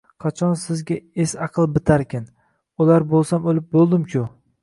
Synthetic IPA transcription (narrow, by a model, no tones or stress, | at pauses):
qʰɑt͡ʃʰɒnsɪzɡʲaesɑqʰɨlˠbɪt̪ʰaɾkʲan | ʊlaɾbolˠsamolɪp̚bolˠd̪ɪmkʲʰʊ